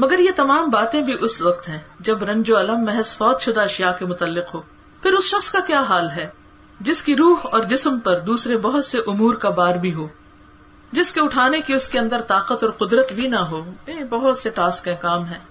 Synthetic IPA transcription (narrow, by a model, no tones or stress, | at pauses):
mɐɡəɾjet̪ɐmaːmbaːt̪ẽbʱiʔʊsʋɐqt̪ɦɛ̃ːd͡ʒɐbɾɐ̃ɲd͡ʒoɐləmːɛɦəzfɔːt̪ʃʊd̪aɐʃijakemʊt̪əlːɪqɦoː | pʰɪɾʊsʃɐxskakjaːɦaːlɦɛː | d͡ʒɪskiɾuːɦɔːɾd͡ʒɪsmpɐɾd̪uːsɾebɐɦʊt̪seʔʊmuːɾkabaːɾbʱiɦoː | d͡ʒɪskeʊʈʰaːnekiʊskeɐ̃nd̪əɾt̪aːqət̪ɔːɾqʊd̪ɾət̪bʱinɐɦoːẽbɐɦʊt̪seʈaːskẽːkaːmɦɛ̃ː